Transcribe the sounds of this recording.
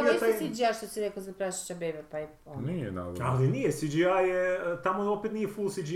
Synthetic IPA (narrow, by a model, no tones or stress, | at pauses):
assid͡ʒiajʃt̪osiɾekozapɾaʃe̥t͡ɕabebepaiponijena̰d̰alinijesid͡ʒiajet̪amoopet̪nijefulˠsid͡ʒi